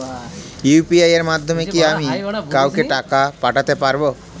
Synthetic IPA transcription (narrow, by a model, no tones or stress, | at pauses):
jupiajeɾmad̪ʱːɔmekiamikawkeʈakapaʈat̪epaɾbo